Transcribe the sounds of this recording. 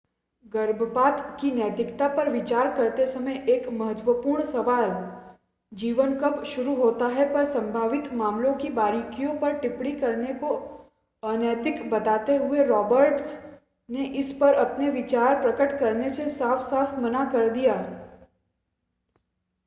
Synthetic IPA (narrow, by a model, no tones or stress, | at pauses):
ɡəɾbʱpaːt̪kinɛːt̪ɪkt̪apɐɾʋɪt͡ʃaːɾkɐɾt̪esɐməjʔeːkmɐɦət̪ʋəpuːɾɳ̃sɐʋaːl | d͡ʒiːʋənkəpʃʊɾuɦoːt̪aɦɛpɐɾsɐ̃mbʱaːʋɪt̪maːmlõkibaːɾikijõpɐɾʈɪpɽikɐɾneko | ənɛːt̪ɪkbɐt̪aːt̪eɦʊeɾɔːbəɾʈs | neʔɪspəɾɐpneʋɪt͡ʃaːɾpɾəkəʈkɐɾnesesaːfʰsaːfʰmɐnakɐɾd̪ijaː